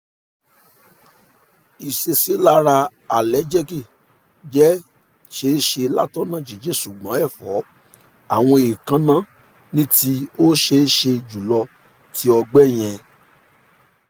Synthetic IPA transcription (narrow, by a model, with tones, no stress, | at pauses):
i˨ʃe˧si˨˦la˦ɾa˧a˨lɛ˨˦d͡ʒɛ˦ki˦˨ | d͡ʒɛ˦ | ʃe˦ʃe˧la̰˦tɔ˦nã˦˨d͡ʒi˨d͡ʒe˦˨su˨ɡ͡bã˨˦ɛ˦˨fɔ˨˦ | a˨w̃ɔ̃˧e˨kã˧˦nã˦˨ | nĩ˦ti˧o˦ʃe˧˦ʃe˧d͡ʒu˨lɔ˧ | tʰi˦ɔ˧ɡ͡bɛ˦˨j̃ɛ̃˧